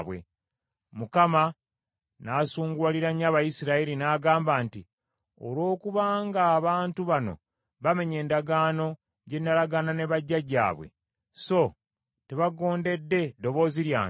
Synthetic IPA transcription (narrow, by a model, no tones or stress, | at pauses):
βwḛ | mukama | naːsuːŋɡwaliɾaɲːaβajisiɾaiɾinaːɡaːmbaːnti | o̰lo̞ːkuβaːŋɡaːβaːntuβano̞̰ | βame̞ɲe̞ːndaɡaːno̞ | ɟe̞nːalaɡanane̞βaɟːaɟa̰ːβwḛ | so̞ | te̞βaɡo̞ːnde̞dːe̞do̞βo̞ziɾja̰ː